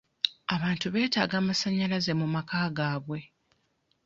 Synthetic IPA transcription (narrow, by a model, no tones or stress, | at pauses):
aβaːntuβe̞ːtaːɡaːmasaɲːalaze̞mumakaːɡaːβwe̞